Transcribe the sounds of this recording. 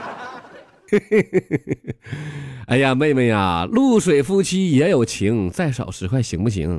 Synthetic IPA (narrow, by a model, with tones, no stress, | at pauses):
a˥˩ɪja˧me˥˧ɪme˥˩ɪa̰˩lu˥˩ʂwe˨˩ɪfu˥t͡ɕʰi˥jɛ˧˥jo˨˩ʊt͡ɕʰi˧˥ŋt͡sa˥˩ɪʂɑ̰˨˩ʊʂɻ̩˧˥kʰwa˥˩ɪɕi˧˥ŋpu˥˩t͡ɕʰḭ˧˥ŋ